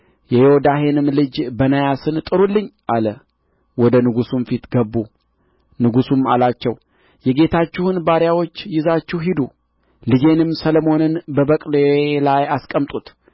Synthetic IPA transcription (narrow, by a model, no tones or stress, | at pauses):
jɛjɛwɔd̪aɦe̞nɨmlɨd͡ʒbənajasɨnt̪ʼɨɾulːɨɲːʔalə | wɔd̪ənɨɡusumfit̪ɡəbːu | nɨɡusuma̰lat͡ʃːɛw | jɛɡe̞t̪ʰat͡ʃːɪhɨnbaɾjawo̞t͡ʃːjɪzat͡ʃːuɦid̪u | lɨd͡ʒe̞nɨmsəlomo̞nɨnbəbəkʼlelajaskʼəmt̪ʼut̪